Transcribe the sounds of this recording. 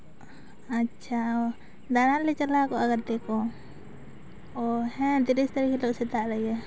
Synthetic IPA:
atːt͡ʃʰaɔ | d̪analɛt͡ʃalakɔaɡaɾt̪ɛkɔ | ɔhɛ̃t̪iɾist̪aɾikɛlɔʔsɛt̪aʔlaɡa

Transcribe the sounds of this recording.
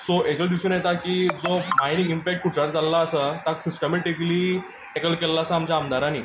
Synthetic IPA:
soʔet͡ɕəld̪isunjet̪akiːd͡zomainĩŋɡimpɛk̚ʈ̚kuʈaɾd͡zalːaːsət̪aksisʈəmeʈikliː | ʈɛkəlkelːaːsaːmt͡ɕjaːmd̪ʱaɾanḭː

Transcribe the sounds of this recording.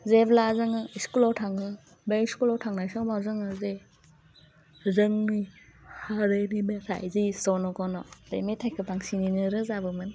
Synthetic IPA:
zeblazɯŋɯiskulɔtʰaŋɯ | beiskulɔtʰaŋnajsɔŋbawzɯŋɯze | zɯŋnihaɾɯnimesa̰jzisɔnɔkɔnɔdḛjmetʰajkʰɯpaŋsininɯɾɯzabɯmɯn

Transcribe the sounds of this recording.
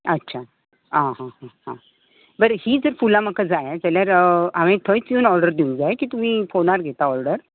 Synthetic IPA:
ətːɕʰa | ɦãɦãɦãhã̰ | bəɾhiːd͡zəɾfulaməkad͡zajd͡zɛljaɾamẽt̪ʰəjt͡sunɔɾɖəɾd̪iũŋɡd͡zajkiːt̪um̤iːfonaɾɡʱet̪aɔɾɖəɾ

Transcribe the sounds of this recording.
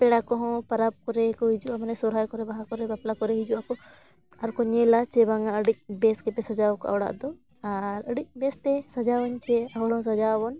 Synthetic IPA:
pɛɽakɔɦɔ̃pɐɾab̚kɔɾɛkɔɦid͡ʒuʔamnɛsɔɾajkɔɾɛbaɦakɔɾɛbaplakɔɾɛɦid͡ʒuʔakɔ | ɐɾkɔɲɛlat͡ʃɛbaŋɡaəɽic̚bɛskɛpɛsɐd͡ʒawkɔa̰wɽa̰ʔd̪ɔ | aɾəɽic̚ˀbɛst̪ɛsɐd͡ʒawɔɲt͡ʃɛɐɦɔɽɔ̃s̬ɐd͡ʒabɔn

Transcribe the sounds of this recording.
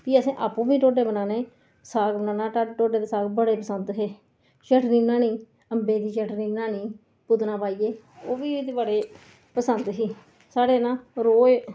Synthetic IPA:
piːəsĩːʔa̰ːpũːbĩːʈoːɖeːbənaːneː | saːɡbənãːnaːʈːʈoːɖeːd̪esaːɡbəɽeːpəsənd̪ɦeː | t͡ʃəʈniːnaːniː | əmbeːd̪iːt͡ʃəʈniːnaːniː | pʊd̪nãːpaːiːeː | oːʋiːt̪ːbəɽeː | pəsənd̪ɦiː | saːɽeːnãːɾoː

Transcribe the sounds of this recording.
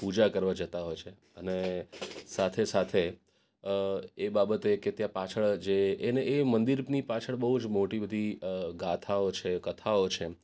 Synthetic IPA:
pud͡ʒakəɾʋad͡ʒət̪aɦojt͡ʃʰe | ənesat̪ʰesat̪ʰe | ebabət̪eket̪jãpat͡ʃʰəɭd͡ʒeːneːmənd̪iɾnipat͡ʃʰəɭbəɦud͡ʒmoʈibəd̪ʱiɡat̪ʰaot͡ʃʰekət̪ʰaot͡ʃʰe

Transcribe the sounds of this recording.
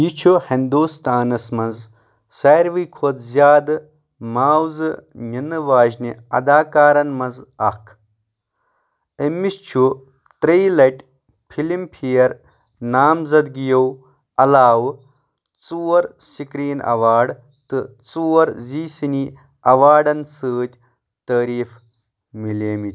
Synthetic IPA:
jit͡ʃʰuhind̪uːst̪aːnɐsmɐnz | sɐːɾʋiːkʰod̪zʲjaːd̪ɨ | maːwzɨninɨʋaːʒniɐ̰d̪aːkaːɾɐnmɐnzɐkʰ | emːist͡ʃʰu | t̪ɾeːlɐʈ | pʰilimpʰijɐɾ | naːmzɐd̪ɡijɐw | ɐlaːʋ | t͡suwɐɾsikɾiːnɐ̰ʋaːɖ | t̪ɨt͡suwɐɾziːsini | ɐʋaːɖɐnsɨːt̪ʲ | t̪əːɾiːf | mileːmit̪ʲ

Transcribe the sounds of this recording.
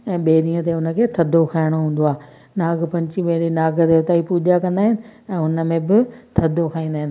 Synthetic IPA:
ɛ̃ːɓeːɾĩːə̃t̪eʊnə̆kʰeːt̪ʰɐd̪ʱokʰaːɪɽ̃oɦũːn̆d̪oaː | naːɡpɐ̃ɲt͡ɕiɓẽɦinaːɡət̪eʊt̪aːipuːd͡ʑakɐ̃nd̪aːɦɪnɪ̆ɛ̃ːʊnə̆mẽbɪt̪ʰɐd̪ʱokʰaːĩːnd̪aːɦɪ̃n

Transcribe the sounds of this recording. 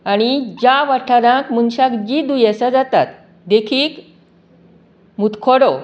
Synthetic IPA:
aɽ̃id͡ʑaʋaʈʰaɾãkmunɕakd͡ʑid̪ujasad͡zat̪at̪ | d̪ekʰiːk | mut̪kʰoɽo

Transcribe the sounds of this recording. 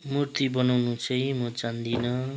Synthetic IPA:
murt̪ibʌnawnut͡sʰʌjmʌt͡sand̪inʌ

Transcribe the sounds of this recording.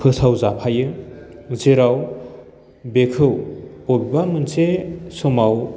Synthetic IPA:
pʰɯsʰawzapʰajɯ | zeɾaw | bekʰɯwɔbbamɯnsesɔmaw

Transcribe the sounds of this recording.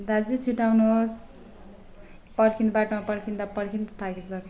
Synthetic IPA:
d̪ad͡zit͡sʰiʈawnuɦos | pʌrkʰinbaʈomapʌrkʰind̪apʌrkʰint̪ʌt̪ʰakit͡sʌr

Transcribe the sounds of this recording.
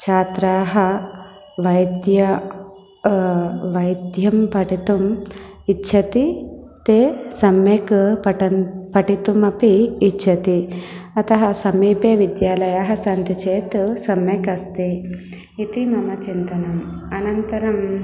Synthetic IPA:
t͡ʃʰaːt̪ɾaːɦɐ | ʋɐjd̪jɐ | ʋɐjd̪jɐmpɐʈit̪umitːʃʰɐt̪it̪eːsɐmjekpɐʈɐpɐʈit̪umɐpiːtːʃʰɐt̪iɐt̪ɐɦɐsɐmiːpeːʋid̪jaːlɐjaːɦɐsɐnt̪it͡ʃeːt̪sɐmjɐkɐst̪i | it̪imɐmɐt͡ʃint̪ɐnɐmɐnɐnt̪ɐɾɐm

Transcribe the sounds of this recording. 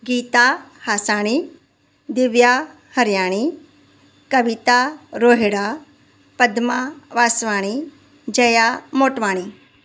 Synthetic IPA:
ɡiːt̪ahaːsaːɽ̃i | d̪ɪʋja | hɐɾjaːɽ̃i | kɐʋɪt̪aɾoːɦeɽa | pɐd̪maʋaːsʋaːɽ̃i | d͡ʒɐjamoːʈʋaːɽ̃i

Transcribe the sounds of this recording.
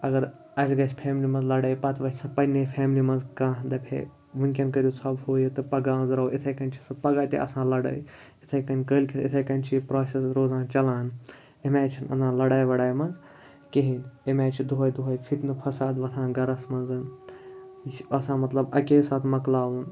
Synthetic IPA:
ɐɡɐɾ | ɐsɡɐt͡ʃʰpʰeːmlimɐnzlɐɽɐːjpɐt̪ʰʋɐtʰʲsɐpɐnepʰeːmlimɐnzkãːd̪ɐpʰḛ | ʋunʲkʲɐnkɐɾʲjuːsʰɐbhoːjit̪ɨpɐɡaːnzɾɐuʔit̪ʰɐkɐnʲt͡ʃʰi̥sɨpɐɡaːt̪ḭʔɐ̰sãːlɐɽɐ̰ːj | it̪ʰɐkɐnʲkəːlʲkʲʰit̪it̪ʰɐkɐnʲt͡ʃʰipɾaːsesɾoːzãːnt͡ʃɐlãːn | emaːt͡ʃʰinɐ̰nzãːlɐɽaːjʋɐɽaːjmɐnz | keɦinemaːt͡ʃʰid̪uɦɐjd̪uɦɐjpʰit̪nɨpʰɐsaːd̪ʋɐt̪ʰãːnɡɐɾɐsmɐnzɨn | ɐsãːmɐt̪lɐbɐkeːsaːt̪ʰmɐklaːʋuːn

